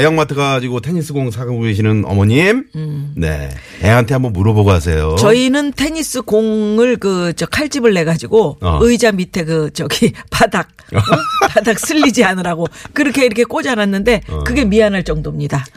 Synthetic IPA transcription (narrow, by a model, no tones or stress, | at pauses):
ejʌŋmatʰɯɡad͡ʑiɡotʰe̞ɲis͈ɯɡoŋsʰaɡɯbumiɕʰinɯnʌ̰mʌɲimne̞̰ | eɦantʰe̞ambʌnmuɾʌboɡoas̬ʰe̞̰jot͡ɕʌinɯntʰe̞ɲis͈ɯkoŋɯɭkɯt͡ɕʌkʰaɭt͡ɕ͈ibɯɭːe̞ɡad͡ʑiɡoɯjd͡ʑamitʰe̞ɡɯt͡ɕʌɡipadak̚padak̚s͈ʰɯʎːid͡ʑianɯɾaɡokɯɾʌkʰe̞iɾʌkʰe̞k͈od͡ʑananːɯnde̞kɯɡe̞mianɦaɭt͡ɕ͈ʌŋdomɲida